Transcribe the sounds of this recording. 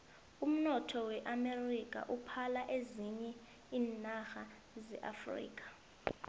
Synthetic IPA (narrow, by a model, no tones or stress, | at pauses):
um̩nɔtʰɔwɛʔamerik̬ʼa̰ʔupʰalaʔeziɲɛ | iːnaxa | zɛ̰ʔa̰frḭːk̬ʰʼḁ